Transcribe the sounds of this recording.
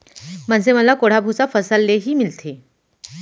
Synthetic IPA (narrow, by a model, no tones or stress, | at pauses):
mənseməlakoɽ̤abʱut͡safəsəlːeɦiːmilt̪ʰe